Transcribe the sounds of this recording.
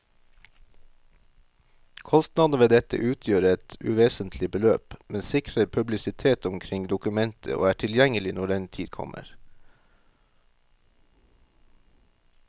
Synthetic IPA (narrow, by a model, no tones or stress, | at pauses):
kʰɔst̪nɑd̪̩ʋeːd̪ɛt̪ə̰ʔʉːt̪ʰjøːɾəɛt̪ʉ̰ʋeːsənt̪ʰlɪbəløːpmɛnsɪkɾəɾpʰʉblɪsɪt̪ʰeːt̪ʊmkʰɾɪŋd̪ʊkʉmɛnt̪ʰə̰ʔo̰ːæːʈʰɪljɛŋəlɪnɔɖɛnt̪ʰiːd̪kʰɔ̰mə̰ɾ